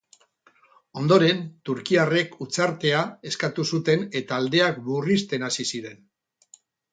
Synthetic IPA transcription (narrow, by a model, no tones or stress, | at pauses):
o̞nd̪o̞ɾe̞nt̪uɾkiare̞kut͡saɾt̪e̞ae̞skat̪usut̪e̞ne̞t̪aːld̪e̞akburist̪e̞nasisiɾe̞n